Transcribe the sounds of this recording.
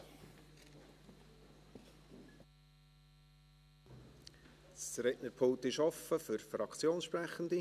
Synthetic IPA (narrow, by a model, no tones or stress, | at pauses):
sɾɛʔnəɾpʰoŋt̪ɪʃɔfəfʏɾfɾɑkt͡sjoːnsʃprɛχən̩d̪i